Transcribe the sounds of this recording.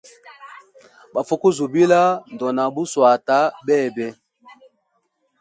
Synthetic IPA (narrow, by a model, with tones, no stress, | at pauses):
ba˨fo˦ku˦zu˨bi˦la˦n˨dɔ˨na˨bu˦swa˨ta˦bɛː˦˨bɛ˦